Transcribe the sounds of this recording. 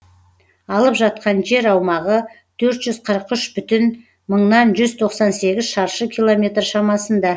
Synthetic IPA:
ɑlˠəpʒɑt̪̚qɑnʒe̞ɾɑwmɑʁə | t̪ʰɵɾt̪ʒʏzqʰəɾəqʏʃbʏt̪ɪn | məɴnɑnʒʏzt̪ʰo̞qsɑnse̞ɡʲɪzʃɑɾʃəkʲʰilˠo̞mʲe̞t̪rʃɑmɑsənd̪ɑ

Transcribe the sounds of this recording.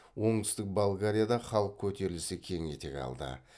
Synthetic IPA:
wo̞ɴt̪ʰʏ̥st̪ɪk̚bolˠɡaɾʲijad̪ɑχɑlˠəq̚kʲʰɵt̪e̞ɾɪlɪsɪkʲʰe̞ŋe̞t̪e̞̰kʲɑ̰lˠd̪ə̰

